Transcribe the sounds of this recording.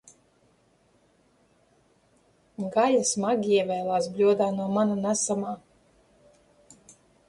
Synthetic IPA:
ɡajasmaɡiɛvʲɛːlˠaːsblʲuɔd̪aːnuɔmananasamaː

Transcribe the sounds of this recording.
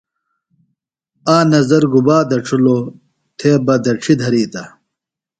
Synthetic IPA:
aːnɐzɐɾɡubaːd̪ɐʈ͡ʂʰulo | t̪ʰeːbɐd̪ɐʈ͡ʂʰid̪ʱɐɾiːt̪ɐ

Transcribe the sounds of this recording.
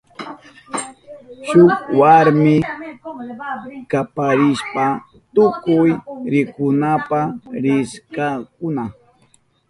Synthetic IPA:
ʃʊkwaɾmɪ | kapaɾɪʃpa | t̪ʊkʊjɾɪkʊnapaɾɪskakʊna

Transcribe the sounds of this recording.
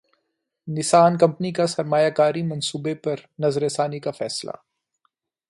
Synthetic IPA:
nɪsaːnkɐ̃mpnikasɐɾmaːjaːkaːɾimɐnsuːbepɐɾnɐzɾeːsaːnikafɛːsla̰

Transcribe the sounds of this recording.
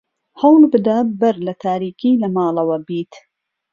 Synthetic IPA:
hɐwlbɨd̪abɐɾlɐt̪ʰaːɾiːkiːlɐmaːlɐwɐbiːt̪

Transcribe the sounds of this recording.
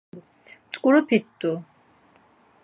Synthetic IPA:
t͡s̪ʼkʼuɾɔpʰit̪̚d̪u

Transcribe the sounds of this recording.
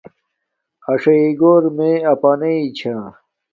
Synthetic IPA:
ɐʂɐiɡoːɾmẽɐpaːneit͡ɕʰa

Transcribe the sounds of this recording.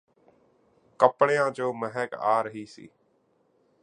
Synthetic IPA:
kəpɽejãːd͡ʒoːməɦɛka̰ːɾəɦiːsḭː

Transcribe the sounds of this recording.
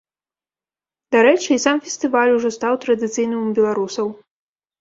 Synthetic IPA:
d̪aɾɛt͡ʂɨisamfʲɛsʲt̪ɨvalʲuʐɔst̪awt̪ɾɐd̪ɨt̪sɨjnɨmbʲɛlˠaɾusɐw

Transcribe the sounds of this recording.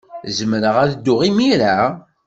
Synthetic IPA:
zəmɾəʁæðd̪ːʊʁimiɾa

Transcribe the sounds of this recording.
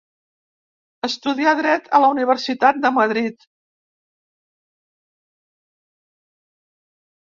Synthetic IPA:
əst̪uðiaðɾɛt̪ʰələuniβ̞əɾsit̪at̪̚d̪əməðɾit̪

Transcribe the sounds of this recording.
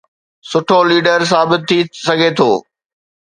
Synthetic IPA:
sʊʈʰoliːɖəɾs̬aːbɪt̪̚ʰːisɐɡʱet̪ʰoː

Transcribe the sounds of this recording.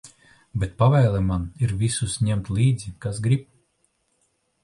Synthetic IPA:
bɛt̪̚pavɛjlˠɛmaniɾvisusɲɛmt̪lʲˠiːd̪zikasɡɾip

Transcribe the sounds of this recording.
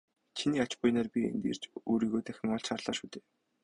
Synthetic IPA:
t͡ɕʰiniːat͡ɕpʊjnaːrpʲiḛnt̪ḛːr̥t͡ɕuːɾiːɣoːt̪æxʲɪ̆ŋɔɮʃarɮ̥aːʃuːt̪ʰeː

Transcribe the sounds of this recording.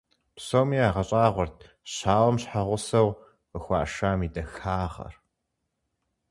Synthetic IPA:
psowmiːaːʁɐɕʼaːʁʷɔrtʰ | ɕaːwɐmɕħaʁʷʊsɐw | əxʷɑ̰ːʃaːmiːdɐxaːʁɐ̰r

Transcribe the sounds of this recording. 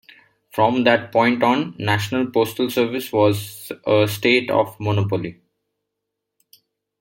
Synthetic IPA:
fɾɔ̃md̪æʈ̚pɔ̃ɪ̃ɳʈɔ̃ːnːæʃnəlpoːsʈəlsəɾʋɪsʋɔːzəsʈeːʈɔ̰ʋmɔnopoli

